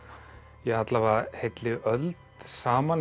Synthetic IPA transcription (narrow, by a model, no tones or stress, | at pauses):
jɛhat̪lavahejt̪lɪœlt̪saːman